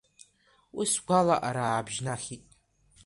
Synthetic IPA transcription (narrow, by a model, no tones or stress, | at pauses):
wisɡʷalaʔaɾabʒnaχʲitʼ